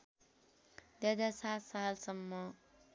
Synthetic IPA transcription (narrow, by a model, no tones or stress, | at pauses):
d̪ʌd̪asat̪salsʌmːʌ